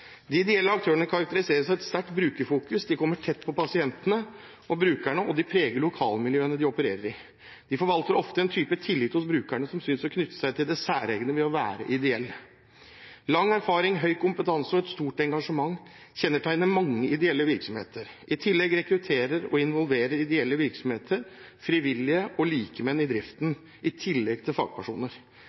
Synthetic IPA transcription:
d̪ɪɪd̪ɛɛlːəɑk̚t̪ʰøːəɳəkʰɑɾɑk̚t̪əɾɪseːɾəsæɪɛt̪st̪æʈbɾʉːkəfuːkʉsd̪ɪkʰɔmːəʈʰɛt̪ːpʰɔpʰɑsɪɛnt̪ənə | ɔbɾʉːkæɳəʔɔd̪ɪpʰɾeːɡəlʊkʰɑ̰ːlmɪljøːnəd̪ɪɔpəɾḛːɾəɾɪ | d̪̥ɪfɔɾʋɑlt̪əɾɔft̪əɛnt̪ʰyːpət̪ʰɪlːɪt̪hʊsbɾʉːkæɳəsɔmsʏnsɔkʰnʏt̪ːə̥sæɪt̪ʰɪld̪ɛsæːɾeːɡənəʋɛɔʋæ̰ːɾə̰ʔɪd̪ɛɛlːə | lɑŋːæɾfɑːɾɪŋɦœʏkʰʊmpət̪ʰɑnsɔɛt̪st̪uːʈɛŋɡɑʂəmɑŋː | çɛnːəʈʰæɪnəmɑŋːəɪd̪ɛɛlːəʋɪɾksɔmhḛːt̪əɾ | ɪt̪ʰɪlːɛɡɾɛkɾʉt̪ʰeːɾəɾɔ̰ɪnʋɔlʋeːɾəɾɪd̪ɛɛlːəʋɪɾksɔmheːt̪ʰəɾ | fɾiʋɪlːɪəʔɔliːkəmɛnɪd̪ɾɪft̪n | ʔɪt̪ʰɪlːɛɡ̚t̪ʰɪlfɑ̰ːɡ̥̚pʰæʂṵːnəɾ

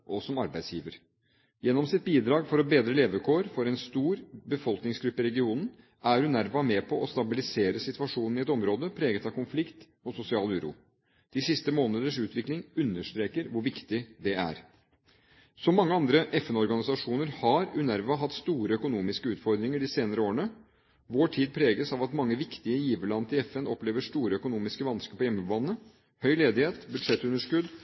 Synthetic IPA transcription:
ʔɔsɔmɑɾbæɪsjiːʋəɾ | jɛnːɔmsɪt̪̚biːd̪ɾɑːɡfɔɾɔbeːd̪ɾəleːʋəkʰoːɾfɔɾɛnst̪uːɾbəfɔlknɪŋsɡɾʉpːɪɾɛɡɪuːnn̩ | ʔæɾʉnæɾʋɑmɛpʰɔʔɔst̪ɑbɪlɪseːɾəsɪt̪ʉɑʂuːnn̩ɪɛt̪ɔmɾoːd̪əpʰɾeːɡət̪ɑkʊnflɪkt̪ | ɔsʊsɪɑːlʉːɾṵː | d̪̥ɪsɪst̪əmoːnəd̪əʂʉːt̪ʰʋɪklɪŋʉnːəʂt̪ɾeːkəɾʋʊɾʋɪkt̪ɪd̪ɛæ̰ɾ | sɔmːɑŋːəɑnd̪ɾəʔɛfɛnɔɾɡɑnɪsɑʂuːnəɾhɑɾʉnæɾʋɑɦɑt̪ːst̪uːɾəœkʊnuːmɪskəʉːt̪fɔɾd̪ɾɪŋəɖɪseːnəɾəoːəɳə | ʋoːʈʰiːd̪̚pʰɾeːɡəsɑʋɑt̪mɑŋːəʋɪkt̪ɪəjiːʋəɭɑnt̪ɪɛfɛnɔpleːʋəʂt̪uːɾəœkʊnuːmɪskəʋɑnskəpɔjɛmːəbɑnːə | hœʏleːd̪ɪheːt̪bʉd̪ʂɛt̪ːʉnːəʂkʉd̪

